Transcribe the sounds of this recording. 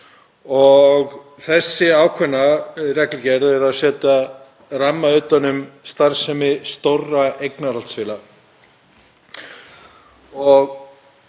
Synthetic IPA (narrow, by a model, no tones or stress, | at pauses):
ɔɣ | θɛsːɪaːwkʰvɛnːarɛklʏcɛɾðɛɾaðsɛːt̪að | ramːaʏːt̪ːanːʏmst̪aɾ̥sɛmɪst̪orːaejknaɾalt̪sfɪːla | ɔɣ